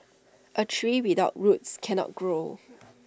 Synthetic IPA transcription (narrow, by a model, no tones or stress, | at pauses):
ʔətʰɹiːwidaʊt̚ɹutskʰɛ̃nɔ̰t̚ɡ̥ɹo